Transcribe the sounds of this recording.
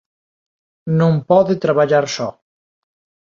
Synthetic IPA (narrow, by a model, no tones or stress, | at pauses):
nõmpɔðet̪ɾaβaʎaɾsɔ